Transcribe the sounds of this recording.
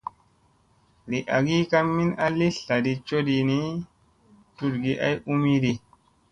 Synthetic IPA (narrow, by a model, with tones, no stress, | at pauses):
li˨ʔa˨ɡi˦ka˦mːi˦na˦li˦ɬa˨di˧t͡ʃo˦di˧ni˦ | tu˦dɡi˨ʔa˦ju˦mi˦di˧